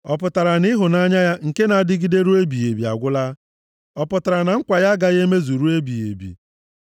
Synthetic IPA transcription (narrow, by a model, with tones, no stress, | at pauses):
ɔ˨p̬ʊ˨ta˨ɾa˨ni˦ɦʊ˨na˦ɲa˦ja˦ŋ̩˨ke˦na˨˦dɪ˦ɡi˦de˦ɾu˦e˦bi˨e˨bi˨a̰˨ɡʷʊ˦la˦ | ɔ˦pʊ˨ta˨ɾa˨na˨ŋ̩˦kʷa˨ja˦ɡa˨ɣe˦me˦zu˨ɾu˦e˦bi˨jḛ˨bḭ˨